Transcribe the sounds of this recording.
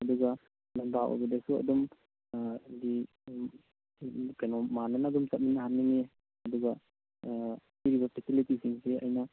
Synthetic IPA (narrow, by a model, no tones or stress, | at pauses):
ɐduɡa | lambawʔa̰badesuɐ̰dum | di | kajnɔmananaːdumsap̚minːaɦanːiŋe | ɐduɡa | tiɾibapʰɛsilitisiŋseɐ̰jna